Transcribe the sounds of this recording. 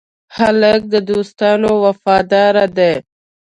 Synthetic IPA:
halək̚d̪əd̪oːst̪ɑːnowɐfɑːd̪ɑːɾad̪e

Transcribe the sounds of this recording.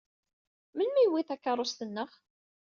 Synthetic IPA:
mənmæjwiθækːɑɾˤost̪ənːəχ

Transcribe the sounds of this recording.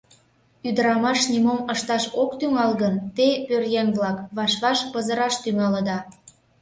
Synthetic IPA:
yd̪əɾɑmɑʃnimoməʃt̪ɑʃokt̪yŋɑlɣənt̪epørjenβlɑkβɑʃβɑʃpəzəɾɑʃt̪yŋɑləd̪ɑ

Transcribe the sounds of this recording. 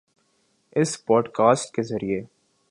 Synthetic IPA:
ɪspɔːɖkaːsʈkezɐɾie

